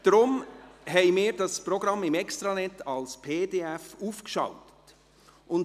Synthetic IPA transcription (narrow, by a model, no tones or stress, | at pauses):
d̥ɾʊmɦɛɪmɪːɾdɑspɾɔɡɾɑmːɪmɛkst̪ɾɑnɛtɑlspʰeːdeːɛfuːfkʃɑ̰ʊtət | ʔʊn